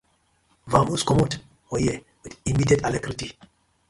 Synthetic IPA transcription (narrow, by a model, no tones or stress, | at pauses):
vãmuskɔmot | ɔjɛ | widimidiɛtalɛkɾiti